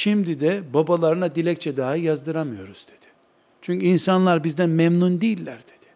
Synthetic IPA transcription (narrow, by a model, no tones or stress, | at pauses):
ʃimd̪id̪ɛbabalˠaɾɯnad̪ilʲɛc̚t͡ʃʰɛd̪aːɯjazd̪ɯɾamɯjo̞ɾuz̥d̪e̞d̪̥ɪ̥ | t͡ʃʰyɲcʰyinsanlˠaɾbizd̪ænmɛmnund̪ijlʲːæɾd̪̥e̞̥d̪̥ɪ̥